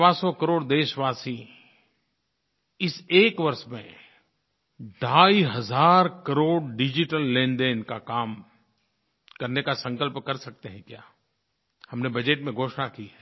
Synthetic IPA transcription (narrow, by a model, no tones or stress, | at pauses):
basɔkəɾoːɽd̪eːʃʋaːsĩ | ɪseːkʋɐɾʃmḛ̃ | ɖʱaːiɦɐzaːɾkɐɾoːɽɖɪd͡ʒɪʈəlːẽːnd̪eːnkakaːm | kɐɾnekasɐ̃ŋkəlpkɐɾsɐk̚t̪eɦɛ̃kjaː | hɐmnebɐd͡ʒeʈmẽɡʱoːʃnakiɦɛː